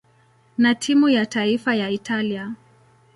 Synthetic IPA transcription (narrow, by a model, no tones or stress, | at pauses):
natʰimujataifajaitʰalia